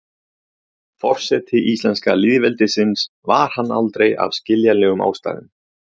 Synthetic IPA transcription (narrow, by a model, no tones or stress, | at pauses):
fɔr̥sɛt̪ʰɪʔist̪lɛnskaliðvɛlt̪ɪsɪns | vaɾ̥hanːa̰lt̪ɾeja̰vscɪljalɛːɣʏma̰ːwst̪a̰ːɣɪ̰m